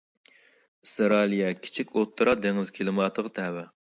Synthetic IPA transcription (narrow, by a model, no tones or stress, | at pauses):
sɨɾɑːlijɛkʲʰi̥t͡ʃʰikʲʰot̪ʰːɨɾɑd̪eŋɪz̥kʲʰelɨmɑːt̪ʰəʁt̪ʰɛwɛ